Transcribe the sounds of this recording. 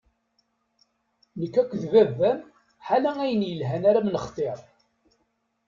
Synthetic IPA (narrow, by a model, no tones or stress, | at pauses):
nəkːækʷːðvævːæm | ħalææjənjəlɦænaɾamnəχt̪ˤeɾˤ